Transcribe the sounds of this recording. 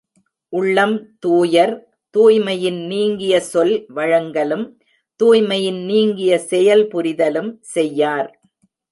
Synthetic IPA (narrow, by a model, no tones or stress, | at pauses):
ʔʊɭːɐmt̪uːjɐɾ | t̪uːjmɐjɪnniːŋɡɪjɐsɔlʋɐɻɐŋɡɐlɯm | t̪uːjmɐjɪnniːŋɡɪjɐsɛjɐlpʊɾɪðɐlɯmsɛjːaːɾ